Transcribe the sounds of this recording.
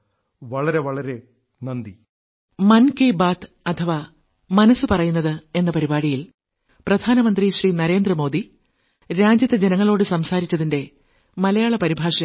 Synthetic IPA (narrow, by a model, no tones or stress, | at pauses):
ʋɐɭɐɾe̞ʋɐɭɐɾe̞ | nɐnd̪i | mɐnkeːbaːt̪ | ɐt̪ʰɐʋa | mɐnɐsːɨpɐrɐjunːɐðɨe̞nːɐpɐɾibaːɽijil | prɐd̪ʱaːnɐmɐnd̪riɕriːnɐɾe̞ːnd̪rɐmo̞ːd̪i | ɾaːd͡ʑjɐt̪ːɐd͡ʑe̞nɐŋːɐɭo̞ːɽɨsɐmsaːɾit͡ɕːɐðinde̞ | mɐlɐjaːɭɐpɐɾibʱaːʂɐ